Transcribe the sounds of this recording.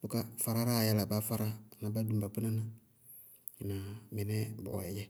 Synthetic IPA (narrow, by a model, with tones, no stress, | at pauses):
bu˨ka˦fa˨ɾa˦ɾa˦˨jɛ˨la˨ba˨˦fa˦ɾa˦˨na˨ba˦du˨mba˨pu˦na˦na˦˨ | na˨mɛ˨nɛ˦b̰ɛ˨d͡ʒɛ˦